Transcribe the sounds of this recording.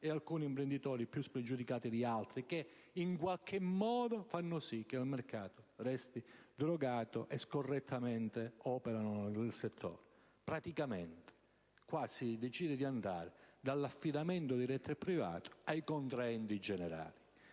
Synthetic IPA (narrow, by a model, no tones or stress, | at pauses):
ealkuːniimpɾend̪it̪ɔːɾipjuspɾed͡ʒud̪ikaːt̪id̪ialt̪ɾike | iŋkwalk̟emːɔːd̪ofanːosik̟ːelmerkaːt̪orɛst̪id̪ɾoɡaːt̪oʔeskorːet̪ʰːament̪eɔːpeɾanonelset̪ʰːɔ̰ːɾe | pɾat̪ikament̪e̥ | kwasid̪et͡ʃiːd̪ed̪iand̪aːɾed̪alːafːid̪ament̪od̪iɾɛt̪ʰːɛpːɾiva̰ːt̪o̥ajkont̪ɾaɛnt̪id͡ʒɛneɾa̰ːli